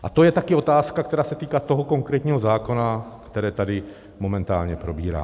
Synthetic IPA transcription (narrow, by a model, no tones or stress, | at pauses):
ʔat̪o̞jɛt̪akɪo̞t̪aːskak̚t̪ɛɾaːsɛt̪iːkaːt̪oɦo̞ko̞ŋkɾɛːt̪ɲiːɦo̞zaːko̞nakt̪ɛɾɛːt̪adɪ | mo̞mɛnt̪a̰ːlɲɛpɾo̞bḭːɾa̰ː